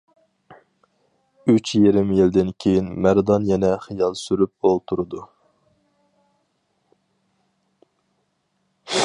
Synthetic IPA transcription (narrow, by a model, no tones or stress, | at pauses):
yt͡ʃjeɾɪmjild̪ɪnkʲʰejinmæɾd̪ɑnjɛnɛχijɑlˠsyɾyp̚olˠt̪ʰuɾɨd̪u